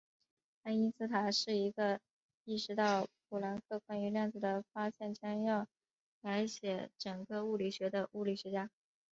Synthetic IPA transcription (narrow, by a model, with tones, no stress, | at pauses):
a˥ni˥nsɹ̩˥t̪ʰa˨˩ʂɻ̩˥˩i˧˥ɡə˧ | i˥˩ʂɻ̩˧˥t̪ɑ˥˩ʊp̚ʰu˨˩la˧˥nkʰɤ˥˩kwa˥ny˧˥ljɑ˥˩ŋd͡zɹ̩˨˩d̪ə˩fa˥ɕjɛ˥˩nt͡ɕʰjɑ˥ŋjɑ˥˩ʊ | la˧˥ɪɕjɛ˧˥ʈ͡ʂɤ˨˩ŋɡə˥˧u˥˩li˨˩ɕɥɛ˧˥d̪ə˧ʔu˥˩li˨˩ɕɥɛ˧˥t͡ɕja˥